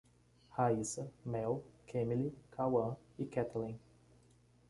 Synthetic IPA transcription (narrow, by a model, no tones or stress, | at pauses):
haisɐmɛwkʰẽmilikʰawɐ̃ikɛt̪ɛlĩ